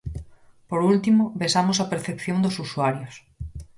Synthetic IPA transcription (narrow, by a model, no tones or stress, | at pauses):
poɾult̪imoβesamosɐpeɾθepθjond̪osusuaɾjos